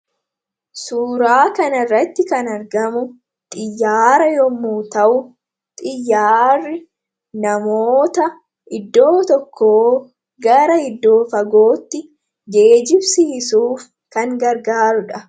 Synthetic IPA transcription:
suːɾaːkɐnɐrːɐt̪ːɪkɐnɐɾɡɐmʊ | t̪ʼɪjːaːɾɐjɔmːuːt̪ɐʔʊ | t̪ʼɪjːaːrːɪ | nɐmoːt̪ɐ | ʔɪd̪ːo̞ːt̪ɔkʰːoː | ɡɐɾɐɪd̪ːo̞ːfɐɡo̞ːt̪ːɪ | d͡ʒe̞ːd͡ʒɪbsɪhɪsuːf | kɐŋɡɐɾɡaːɾʊᶑɐ

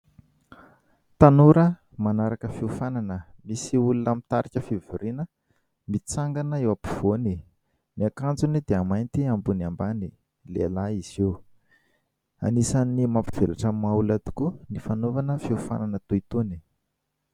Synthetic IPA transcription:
t̪anuɾə | manaɾakəfiufananəmisiulunamit̪aɾikʲəfivuɾinə | mit͡saŋɡanəewapiv̥oni | niakand͡zunid̪eamajnt̪iambunambani | lḛlaiz̥iw | a̰nisanimampi̥v̥elaʈ͡ʂamaulad̪i̥kunifanovanəfiufa̰nanət̪uit̪uni̥

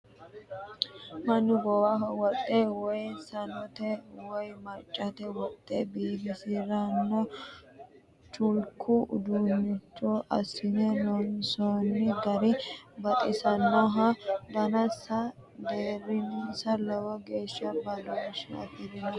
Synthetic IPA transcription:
mɐnːʊɡɔwaɦɔwɔt̪ʼːɛwɔjsɐnɔt̪ɛwɔjmɐt͡ʃʼːɐt̪ɛwɔt̪ʼːebiːbɪsɪɾɐnːɔ | t͡ʃʊlkʰːʊd̪uːnːɪt͡ʃːɔʔɐ̰sɪnɛnɔnsɔnːɪd̪ɐɾɪbɐt̪ʼɪsɐnːɔɦɐb̪ɐnɐsɐ | d̪eːɾɪnsɐlɛwɔɡe̞ːʃːɐbɐlɔʃɐ̰t̪ɪɾɪnɐ

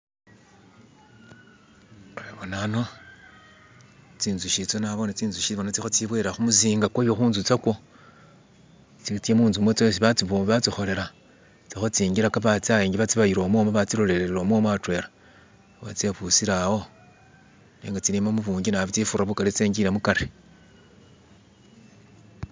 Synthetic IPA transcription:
eβonano̞ | t͡siːnzuʃit͡sonaβo̞nat͡siːnzuʃiβonat͡sixot͡siβweɾaxumuziːŋɡakejoxuːnzut͡sako̞ | t͡sit͡semuːnzumwet͡swes̬iβat͡siβoβat͡sixo̞le̞ɾa | t͡sixot͡siːŋɡiɾakaβat͡siajeːŋɡiβat͡siβajiɾo̞ːmomoβat͡siɾo̞leɾeɾeɾo̞ːmwomwatwe̞ɾa | βa̰t͡seβusiɾawo̞ | neːŋɡat͡siɾimamuβuːŋɡinaβit͡sifuraβukaɾit͡seːŋɡiɾemukaɾe

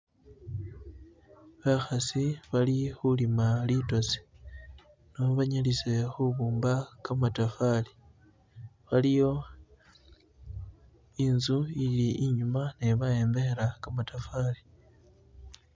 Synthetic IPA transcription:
βaxasiβalixulimalito̞si̥ | noβaɲalise̞xuβuːmbakamatafali | βalijo̞ | inzuiliʔiɲumaneβaje̞ːmbeeɾakamatafali

